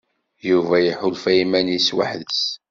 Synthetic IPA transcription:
juvæjəħʊlfæimæniswa̰ħðəs

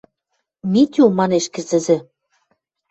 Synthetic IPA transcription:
mʲit̪ʲumɑneʃkɘ̆zɘ̆zɘ̆

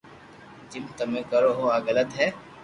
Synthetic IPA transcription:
d͡ʒɪmt̪əmẽːkəɾoːɦoaːɡələt̪ɦɛː

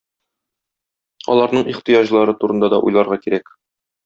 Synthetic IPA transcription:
ɒ̰lˠɑɾnɤɴiχt̪ɤjɑʑlˠɑɾɤt̪uɾɤ̆nd̪ɑd̪ɒʔṵjlˠɑɾʁɑkiɾæk

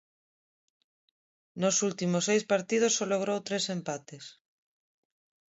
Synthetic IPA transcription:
nosult̪imosejspaɾt̪ið̞osːoloɣ̞ɾowt̪ɾesempat̪es

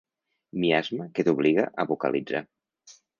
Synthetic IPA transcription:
miazməket̪uβliɣə̰ʔəβukə̰lʔid͡za

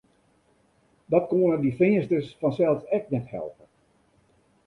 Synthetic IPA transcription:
dɔt̚koənədifɪəstəsfɔnsɛlˠfsɛk̚nɛthɛ̰lˠpə

